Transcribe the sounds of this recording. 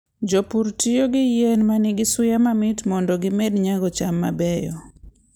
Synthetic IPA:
d͡ʒɔpuɾtijoɡɪjenmanɪɡɪsʊjamamɪtmɔndɔɡɪmedɲaɡɔt͡ʃamːa̰bɛjɔ̰

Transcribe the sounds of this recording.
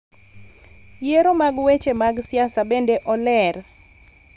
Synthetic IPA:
jeɾomaɡwet͡ʃemaɡsjasabendeʔɔlɛr

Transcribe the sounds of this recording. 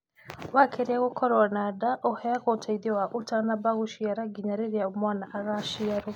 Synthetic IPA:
wakʰeɾiaɣokʰɔɾɔanadaʔɔhɛaɣotʰaiðɔwaʔutanabaɣuʃiaɾaɡiɲaɾeɾiaomwanaʔaɾaʃiaɾu

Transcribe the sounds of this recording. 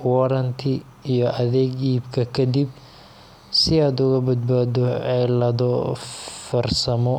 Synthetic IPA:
wɐɾɐnt̪ʰɪ | ijɔʔɐðɛːɡiːbkʰɐkʰɐd̪ib̚ | sɪaːd̪ʊɣɐbɐd̪̚baːd̪ɔɛlɐðɔ | fɐrsɐmɔ

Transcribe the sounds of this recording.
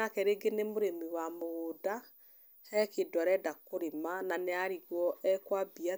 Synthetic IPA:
akɛɾeɡenemoɾemiwamoɣoda | hɛkedwaɾɛdakoɾemananeaɾiɣwɔʔɛkwabia

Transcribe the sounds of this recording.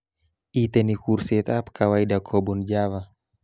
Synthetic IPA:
ʔit̪ɛnikurset̪apkʰawaidakʰɔbund͡ʒava

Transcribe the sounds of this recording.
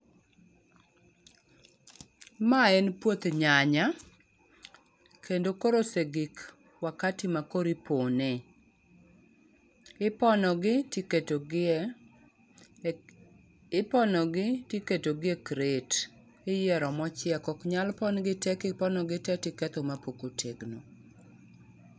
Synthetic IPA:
maɛnpwot̪ɲaɲa | kʰendokoɾoseɡik | wakatimakoɾipone | pɔnɔɡɪtiketoɡ | ɪpɔnɔɡɪtiketoɡɪekɾet | ɪjɛɾɔmɔt͡ʃɪɛkɔkɲalpɔnɡɪtɛkɪpɔnɔɡɪtɛtɪkɛt̪omapokotʰeɡno

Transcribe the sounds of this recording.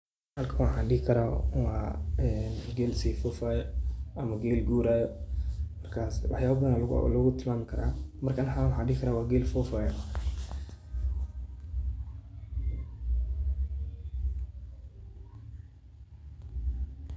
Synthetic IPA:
ħaːlkʰɐwɑħãːnɖɪɪkʰɐɾaːwɑːɛnɡɛːlsɛfɔfaːjɔʔɐmɐɡɛːlɡuːɾaːjɔmɐrkʰaːswa̰ħjaːβɐbɐðnallʊɣʊt̪ʰɪlmaːmɪkʰɐɾa̰ːmɐrkʰanħawʊħaːɖɪɡɪkʰɐɾaːwaːɡɛːlfɔːfaːjɔ

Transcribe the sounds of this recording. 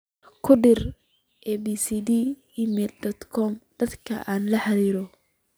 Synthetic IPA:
kʰʊɖɪr | ʔɛbisid̪i | imɛld̪ɔd̪kʰɔmd̪̥ɐd̪kʰɐ̰ʔaːnlɐħɑðiːɾɔ

